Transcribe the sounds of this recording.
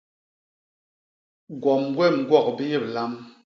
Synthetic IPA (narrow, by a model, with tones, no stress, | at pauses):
ɡwɔ˨m˦ɡwɛ˦˨ŋ̩˨ɡwɔ˦˨k̚bi˦je˦˨p̚la˦m